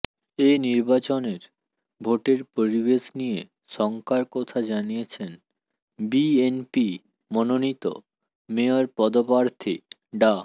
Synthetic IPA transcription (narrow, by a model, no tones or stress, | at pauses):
eniɾbat͡ɕoneɾ | bʱoʈeɾpoɾibeʃnije | ʃɔŋkaɾkɔt̪ʰad͡ʑanijet͡ɕʰen | bienpi | mononit̪o̰ | meoɾpɔd̪opaɾt̪ʰi | ɖa